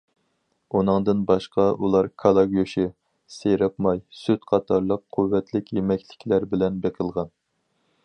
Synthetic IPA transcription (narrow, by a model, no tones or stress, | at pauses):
unɨŋd̪ɨnbɑʃqɑʔulˠɑɾkʰɑlˠɑɡʲoʃɪ | seɾɑpmɑjsyt̪qʰɑt̪ʰɑɾlˠəqʰːuwːɛt̪ʰlɪkʲjemɛkʲʰlɪ̥kʲʰlæɾbɪlɛnbeqʰəlˠʁɑn